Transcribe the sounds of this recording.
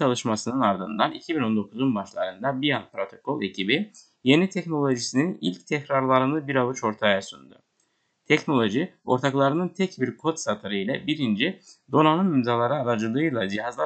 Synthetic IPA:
alˠɯʃmasɯnɯnaɾd̪ɯnd̪anicʰibino̞nd̪o̞kʰuzunbaʃlˠa̰ɾɯnd̪abijanpɾo̞t̪ʰo̞kʰo̞lʲˠe̞cʰibi | je̞nit̪ʰɛcno̞lʲˠo̞ʒisininḭlʲct̪ʰɛcɾaɾlˠaɾɯnɯbiɾaβɯt͡ʃo̞ɾt̪ʰajasund̪ṵ | t̪ʰɛcno̞lʲˠo̞ʒio̞ɾt̪ʰaklˠaɾɯnɯnt̪ʰɛcbiɾkʰo̞t̪sat̪ʰɯɾɯjlʲɛbiɾind͡ʒid̪o̞nanɯnimzalˠaɾɯːɾad͡ʒɯlˠɯːjlˠad͡ʒiɦazlˠa

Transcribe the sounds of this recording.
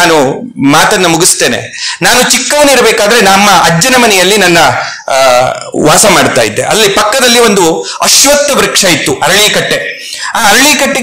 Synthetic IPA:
aːnumaːt̪ɐnːɐmuɡist̪e̞ːnḛ | naːnut͡ʃikːɐʋɐneiɾɐbeːkaːd̪ɐɾenɐmːɐɐd͡ʒd͡ʒːɐnɐmɐnɛjɐlːinɐnːɐ | ʋaːsɐmaːɽt̪a̰ːjid̪ːḛʔɐ̰llːipɐkːɐd̪ɐlːio̞nd̪u | ɐʃʋɐt̪ːɐbɾɐkʂaːjit̪ːuʔɐɾɐɭiːkɐʈːe̞ | aːɐɾɐɭiːkɐʈːe

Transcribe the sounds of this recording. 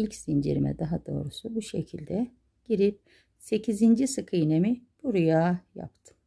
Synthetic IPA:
ilʲcsind͡ʒḭɾimɛ̰d̪aɦad̪o̞ːɾusubuʃe̞cʰilʲd̪ɛ | ɟ̥iɾip̚ | se̞cʰizind͡ʒisɯkʰɯjne̞mib̥uɾujaːja̰pt̪ʰɯ̥m

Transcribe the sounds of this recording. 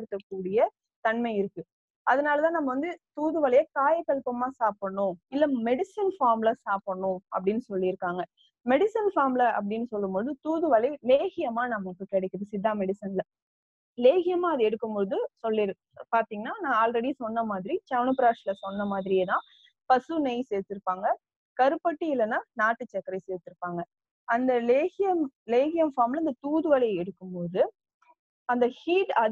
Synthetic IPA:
ɽɯt̪ːɐkːuːɽɪjɐ | t̪ɐnmɐɪɪɾɯkːɯ | ɐðɐnaːlɐt̪ãːnɐmːɐʋɐnd̪ɯt̪uːðɯʋɐlɐjɐkaːjɐkːɐlpɐmaːsaːpɐɳːʊ̃ɪlːɐmɛɽɪsɪnfaːɾmlɐsaːpɐɳːʊ̃ɐp̬ːɐɽɪnːɯsɔlːɪɪɾɯkːaːŋɡɐ | mɛɽɪsɪnfaːɾmlɐʔɐ̰p̬ːɐɽɪnːɯsɔlːɯmpoːðɯt̪uːðɯʋɐlɐɪleːɣɪjɐmaːnɐmːɐkːɯkɛɽɛkʲːɯðɯsɪd̪ːaːmɛɽɪsɐnlɐ | leːɣɪjɐmãːɐðɯɛɽɯkːɯmpoːðɯsɔlːɪɾɯ | paːɾt̪iːŋɡɐnːaːnãːaːlɾɛɽisɔnːɐmaːðɪɾit͡ʃɐʋnɐpɪɾaːʂɪlɐsɔnːɐmaːðɪɾɪjet̪ãː | pɐsɯnɛɪseːɾt̪ːɯɾɯpːaːŋɡɐ | kɐɾɯpːɐʈːiɪlɐnãːnaːʈːɯt͡ʃːɐkːɐɾɐɪseːɾt̪ːɯɾɯpːaːŋɡɐ | ɐnd̪ɐleːɣɪjɐmleːɣɪjɐmfaːɾmlɐɪnd̪ɐt̪uːðɯʋɐlɐɪɛɽɯkːɯmpoːðɯ | ɐnd̪ɐhiːʈɐ

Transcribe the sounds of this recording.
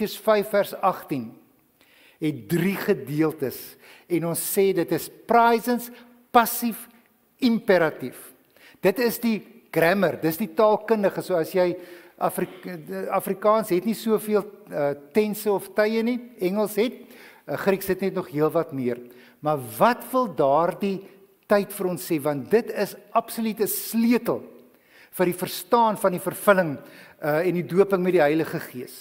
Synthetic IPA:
əsfɐjfːærsɐχtin | ɦɛt̚driχədiəlˠtəs | ɛnɔnsːɛːdətəsprɐjzəns | pɐsif | impeɾɐtif | d̥ətəsdiɡ̥ræmərdəsditɑːlˠkəndəχəsuəɐsjɛjɐfriɐfrikɑːnsɦɛtnisuəfiəlˠətɛnsəɔftəjəniɛŋəlˠsɦɛt̚ːχriksɦətnɛtnɔχɦiəlˠvɐtmiər | mɐrvɐtvəlˠdɑːrdi | tɐjtfəɾɔnseːvɐnt̚dətəsɐpsolytəsliətəlˠ | fərdifərstɑːnfɐndifərfələŋəɛndiduəpəŋmɛdiɦœjləχəχiəs

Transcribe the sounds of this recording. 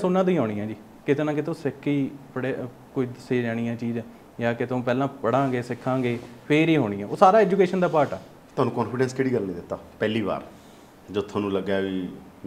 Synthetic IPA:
sʊnːãːt̪oĩːɦoːɽ̃ĩːãːd͡ʒiː | kɪt̪eːnãːkɪt̪õːsɪkʰːiːpəɽe | kʊid̪əseːd͡ʒaːɽ̃iːãːt͡ʃiːd͡ʒː | jaːkɪt̪õːp̬ɛːlãːpəɽãːɡeːsɪkʰːãːɡeːpʰeːɾiːɦoːɽ̃ĩːãːoːsaːɾaːɛːd͡ʒuːkeːʃənd̪aːpaːɾʈɛ̰ː | t̪oʊaːnũːkɔːnpʰɪɖɛ̃ːnskeːɽiːɡəlnĩːd̪ɪt̪ːaːpɛːliːba̰ːɾ | d͡ʒot̪ʰːõːnũːləɡaːʋiː

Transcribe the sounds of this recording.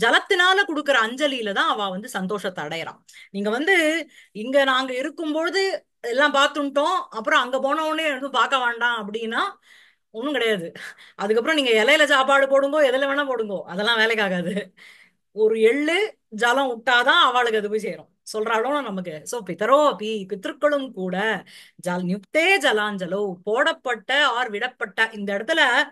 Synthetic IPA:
d͡ʒɐlɐt̪ːɯnaːlɐkɔɽɯkːɪɾɐːɲd͡ʒɐlɪjɪlɐt̪ãːɐʋãːʋɐnd̪ɯsɐnd̪oːʂɐt̪ːɐɽɐjɪɾã̰ː | niːŋɡɐʋɐnd̪ɯɪŋɡɐnaːŋɡɐɪɾɯkːɯmpoːðɯ | ɛlːãːpaːɾt̪ːɯɳʈːõːɐpːɯɾɔ̃ɐŋɡɐp̬oːɳɐʋnɯnðɯ̃mpaːɾkɐʋeːɳɖãːɐp̬ːɐɽɪjnːaː | ɔnːɯ̃kɪɽɐjaːðɯʔɐðɯk̬ːɐp̬ːɾɔ̃niːŋɡɐɛlɐjɪlɐd͡ʒaːpaːɽɯpoːɽɯŋɡoːɛðɐlɐʋeːɳɐ̃poːɽɯŋɡoːʔɐðɛlːãːʋeːlɐkːaːɣaːðɯ | ɔɾɯɛɭːɯ | d͡ʒɐlɐ̃ʊʈːaːt̪ãːɐʋaːɭɯkːɐðɯp̬oːjsɛjɾõsɔlrɾaːɭõːnãnɐmɐk̬ːɯsoːpɪt̪ːɐɾoɐpipɪt̪ːɾɯkːɐɭɯmkuːɽɐd͡ʒɐnjʊktːeːd͡ʒɐlãːnd͡ʒɐlɐpoːɽɐpːɐʈːɐaːɾʋɪɽɐpːɐʈːɐʔɪnd̪ɐɛɽɐt̪ːɯlɐ

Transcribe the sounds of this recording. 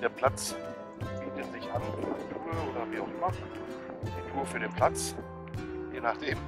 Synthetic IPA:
d̥eːɐpʰl̥at͡s | b̥iːtətz̥ɪçʔanftʰuːʁəʔoːɾɐviːaʊχʔɪmɐ̥ | ituːɐfyːɐɾeːnpʰl̥at͡s | jeːnaχd̥eːm

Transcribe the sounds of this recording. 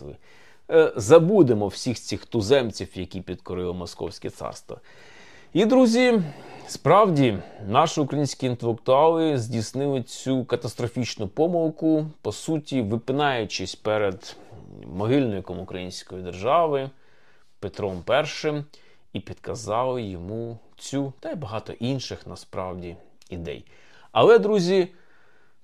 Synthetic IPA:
ɪ̰ | zɐbud̪emɔwsʲixt͡sʲixt̪ʊzɛmt͡sʲiwjɐkʲipʲid̪kɔɾɪlˠɔmɔskɔ̰wsʲkɛt̪sɑ̰rst̪ʋɐ̰ | id̪ɾuzʲispɾɑwdʲinɑʃɪʊkɾɐjinʲsʲkʲiːnt̪elˠɪkt̪ʊɑlˠɪzʲdʲisnɪlˠɪt͡sʲukɐt̪ɐst̪ɾɔfʲit͡ʃnʊpɔmɐlˠkʊpɔsutʲiʋɪpɪnɑjʊt͡ʃɪsʲpɛɾed̪ | mɔɦɪlʲnɔjkɔmʊkɾɐjinʲsʲkɔjid̪erʒɑʋɪ | pet̪ɾɔmpɛrʃɪm | ipʲid̪̥kɐzɑlˠɪjɔmu | t͡sʲut̪ɐjbɐɦɑt̪ɔ̰ʔinʃɪxnɐspɾɑ̰wdʲi | id̪ɛ̰j | ɐ̰lˠɛd̪ɾuzʲi

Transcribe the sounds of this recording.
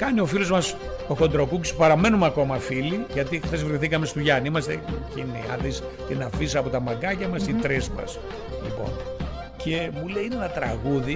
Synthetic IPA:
kɐnio̞filo̞zmɐs | t̪o̞ko̞nd̪ɾo̞kuci̥spɐɾɐme̞numɐko̞mɐfiliʝɐt̪ixθezvɾiθikɐme̞st̪uʝɐniimɐst̪ecinḭɐ̰θis | t̪inɐfis̬ɐpo̞t̪ɐmɐɡɐcɐmɐst̪it̪ɾezmɐ̰s | lḭpo̞̰n | cʰemuleiinenɐt̪ɾɐɣuði

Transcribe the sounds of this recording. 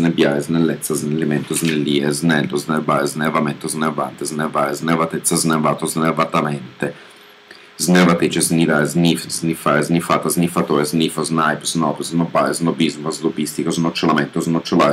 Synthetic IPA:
nɛbjaːɾeznelːɛt̪sːaznelːemɛnt̪oznelːiːeznɛlːozneɾbaːɾeznevamɛnt̪ozneɾva̰nt̪eznevaːɾeznevat̪ɛt̪sːaznevaːt̪ozneɾvat̪amɛnt̪e | znevat̪ɾiːt͡ʃeznid̪aːɾeznifznifaːɾeznifaːt̪aznifat̪oːɾezniːfoznajpznɔpznobaːɾeznobizmazlobist̪ikoznot͡ʃːolamɛnt̪oznot͡ʃːola̰ɾ

